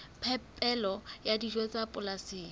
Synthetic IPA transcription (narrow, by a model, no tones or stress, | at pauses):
pʰɛpʼɛlɔjadid͡ʒwet͡sʼapʼʊlasiː